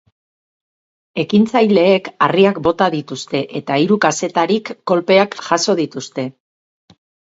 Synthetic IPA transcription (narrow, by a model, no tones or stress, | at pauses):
e̞kint͡sajle̞ːkariakbo̞t̪aðit̪ust̪e̞ʔe̞t̪aiɾukase̞t̪aɾikːo̞lpe̞akʝaso̞ð̞it̪ust̪e̞